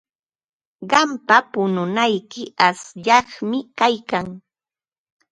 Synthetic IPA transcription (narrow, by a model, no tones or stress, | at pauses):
ɢɑmpapʊnʊnajkɪasʎɑχmɪkajkaŋ